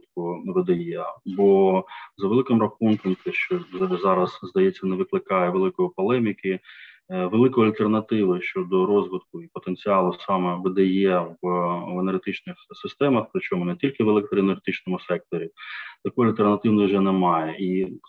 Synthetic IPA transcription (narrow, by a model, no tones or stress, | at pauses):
t̪kʊʋɪd̪ɐjɛbɔzɐʋelˠɪkɪmɾɐxunkɐmt̪ɛʃt͡ʃɔzɑɾɐzzd̪ɐjɛt͡sʲːɐnɛʋɪklˠɪkɑjɛʋelˠɪkɔjipɔlˠɛmʲikɪ | ʋelˠɪkɔjɐlʲt̪ernɐt̪ɪʋɪʃt͡ʃɔd̪ɔɾɔzʋɪt̪kʊipɔt̪enʲt͡sʲiɑlˠʊsɑmɛʋed̪ɐjɛʋenerɦet̪ɪt͡ʃnɪxsɪst̪ɛmɐxpɾɪt͡ʃɔmʊnɛtʲilʲkɪʋelˠɛk̚t̪ɾʲɪnerɦet̪ɪt͡ʃnɔmʊsɛk̚t̪ɔɾʲit̪ɐkɔjɐlʲt̪ernɐt̪ɪwnɪwʒɛnɛmɑjɛʔi